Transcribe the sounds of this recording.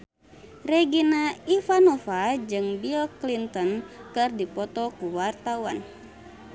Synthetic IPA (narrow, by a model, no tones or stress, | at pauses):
rɛɡinaifanɔfad͡ʒɨŋbilklint̪ɔnkɨrdipɔt̪ɔkuwart̪awa̰n